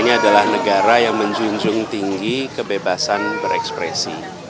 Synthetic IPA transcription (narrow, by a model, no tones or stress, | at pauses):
ɲaːdalahnəɡaɾajaŋməɲd͡ʒuɲd͡ʒʊŋt̪iŋɡikəbebasanbəɾɛ̰kspɾḛsḭ